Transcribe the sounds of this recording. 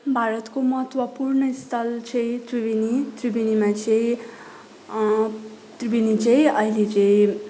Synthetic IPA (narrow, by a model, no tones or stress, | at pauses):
bʱaɾʌt̪komʌɦt̪wʌpurnʌist̪ʰʌlt͡sʰʌj̃t̪ribinit̪ribinimat͡sʰʌj | t̪ribinit͡sʰʌj̃ʌɦilet͡sʌĩ